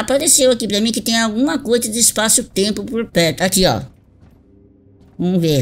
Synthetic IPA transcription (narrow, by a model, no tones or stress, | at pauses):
apaɾesewakipɾɐmĩkɪt̪ẽj̃awɡũmɐkojzɐd͡ʒɪːspasʊt̪ẽmpʊpoɾpɛɾt̪ʊakiɔ̰ | ũve